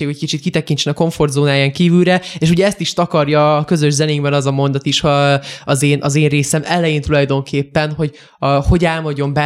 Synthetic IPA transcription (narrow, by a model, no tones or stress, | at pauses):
eːɡɛc̚kit͡ʃit̪̚kit̪ɛkint͡ʃɛnɒko̞ɱfo̞rd̪zoːnaːjaŋkiːvylɾɛeːʃuɟɛɛst̪iʃt̪ɒkɒrjɒːkø̞zø̞ʒzɛneːɡbɛnɒzɒmo̞nd̪ɒt̪iʃhɒzeːnʔɒzeːnreːsɛmɛlɛjeːnt̪ulɒjd̪o̞ŋkʰeːpːɛnɦo̞ɟ | ho̞ɟaːlmɒɟo̞mbɛ